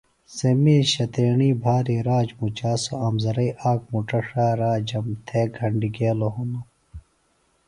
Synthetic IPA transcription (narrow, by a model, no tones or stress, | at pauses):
semiːɕɐt̪eːɳiːbʱaːɾiɾaːd͡ʑmut͡ɕaːsoɐmzɐɾɐiʔaːkmuʈɐʂaːɾaːd͡ʑɐmt̪ʰeːɡʱɐɳɖiɡeːloɦuno